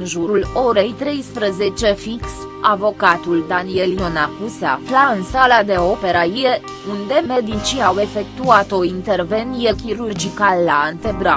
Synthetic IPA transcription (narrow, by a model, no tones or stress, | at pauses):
ɨnʒuɾulo̞ɾe̞jt̪ɾe̞jspɾəze̞t͡ʃe̞fiks | avo̞kat̪uld̪anieljo̞nakusea̰flaɨnsalad̪e̞o̞pe̞ɾajie | und̪e̞me̞d̪it͡ʃiawe̞fe̞k̚t̪uat̪o̞int̪e̞rve̞nijekʲiɾurd͡ʒikalːaːnt̪e̞bɾa